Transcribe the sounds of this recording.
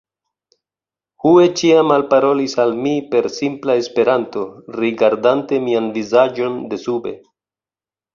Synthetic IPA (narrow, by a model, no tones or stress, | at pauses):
hue̞t͡ʃiamalpaɾo̞lisalmipe̞ɾsimplaespe̞ɾanto̞ɾiɡaɾdante̞mianvizad͡ʒo̞nde̞sube̞̰